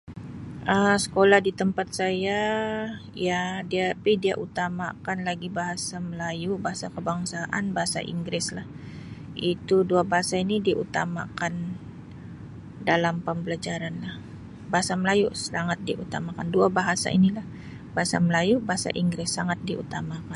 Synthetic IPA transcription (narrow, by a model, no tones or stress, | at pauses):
ʔəsə̥kolahdit̪əmpat̪̚saja | jadiapɪdia̰ʔut̪ama̰kanlaɡibaɦasaməlajubaɦasakəbaŋsaʔa̰nbaɦasa̰ʔḭŋɡɾɪslah | it̪uduabaɦasainidiʔṵt̪ama̰kan | dalampəmbəlad͡ʒaɾanlah | baɦasaməlajusəlaŋat̪̚diʔut̪amakanduabaɦasa̰ḭnilah | baɦasa̰məlajubaɦasa̰ʔiŋɡɾɪsːaŋat̪̚diṵt̪amakan